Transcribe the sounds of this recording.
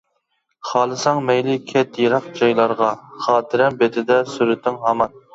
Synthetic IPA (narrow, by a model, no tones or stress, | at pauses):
χɑːlˠɨsɑŋmɛjlɪkʲʰɛt̪jiɾɑq̚d͡ʒɑjlˠɑɾʁɑχɑːt̪ʰɪɾɛmbet̪ʰɪd̪ɛsyɾɪt̪ːɪŋɦɑmɑn